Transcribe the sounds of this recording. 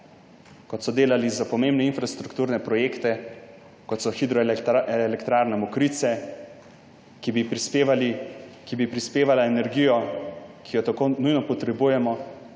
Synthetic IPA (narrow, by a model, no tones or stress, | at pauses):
kɔt̪sɔd̪eːlalizapɔmeːmbnɛinfɾast̪ɾukt̪uːɾnɛpɾɔjeːkt̪ɛ | kɔt̪sɔxid̪ɾɔɛlɛkt̪ɾaːɾnɛmɔkɾit̪sɛ | kibipɾispeʋalikibipɾispeːʋalaenɛɾɡijɔkʰijɔt̪akonujnɔpɔt̪ɾɛbujɛmɔ